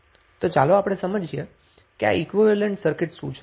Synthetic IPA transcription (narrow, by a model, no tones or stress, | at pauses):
t̪ot͡ʃaloapɽ̃esəməd͡ʒʱie | kea̰ikʋiʋəleɳʈsəɾkɪʈsũt͡ʃʰ